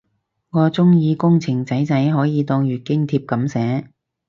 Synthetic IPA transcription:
kɔː˧t͡sʊ˥ŋjiː˨˧kʊ˥ŋt͡sʰɪ˨˩ŋt͡sɐ˨˥jt͡sɐ˨˥jɦɔː˨˥jiː˨˧t̪ɔː˧ŋɥyː˨˩t̚kɪ˥ŋt̪ʰiː˧p̚kɐ˨˥msɛː˨˥

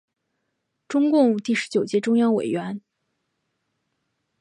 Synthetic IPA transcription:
ʈ͡ʂʊ˥ŋkʊ˥˧ŋt̪i˥˩ʂɻ̩˧˥t͡ɕjo˨˩ʊt͡ɕjɛ˥˩ʈ͡ʂʊ˥ŋjɑ˥ŋwe˨˩ɪɥɛ˧˥n

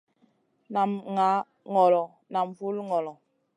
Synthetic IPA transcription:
na˨mŋa˨˦ | ŋɔ˨lɔ˨ | na˨mvu˦lŋɔ˨lɔ˨

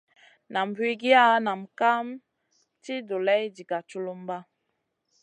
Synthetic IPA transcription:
na˨m˨pi˦ɡi˦a˦na˨mka˦m | ti˦do˨lɛ˦jd͡ʒi˨ɡa˨t͡ʃu˦lu˦m˦ba˦

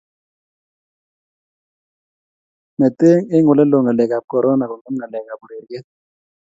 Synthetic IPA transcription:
nɛ˨te˦ŋɪ˦ŋʊ˨lɛ˦lo˨ŋa˨lɛ˨ka˨p̚kɔ˨ɾɔ˦na˨kɔ˨ŋʊ˦mŋa˨lɛ˨ka˨bu˨ɾe˨ɾɡɛ˦

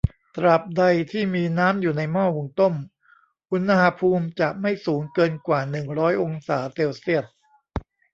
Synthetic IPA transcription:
t̪ɾa˨˩p̚da˧jt̪ʰiː˥˩miː˧naː˦˥mjuː˨˩na˧jmɔː˥˩wu˧ŋt̪o˥˩m | ʔu˧nːa˧ha˧pʰuː˧mt͡ɕa˨˩ʔma˥˩jsuː˩˦ŋkɤː˧nkwaː˨˩nɯ˨˩ŋɾɔː˦˥jʔo˧ŋsaː˩˦se˧wsi˥˩ət̪̚

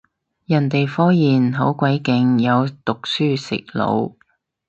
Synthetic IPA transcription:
jɐ˨˩nt̪e˨jfɔː˥jiː˨nɦo˨˥wkʷɐ˨˥jkɪ˨˧˥ŋjɐ˨˧wt̪ʊ˨k̚syː˥sɪ̰˨k̚lo̰˨˧w

